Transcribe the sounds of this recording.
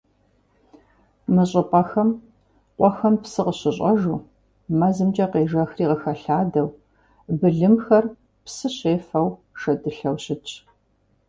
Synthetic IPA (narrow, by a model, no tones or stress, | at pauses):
mɨɕʼɪpʼɐxɐm | qʷʼɔxɐmpsɨqəɕɪɕʼɐʒuː | mɐzɨmd͡ʒɐqeːʒɐxriːʁəxɐɬaːdɐw | bɨɮɨmxɐr | psɨɕeːfɐwʃɐdɨɬɐwɕɪt͡ʃʼ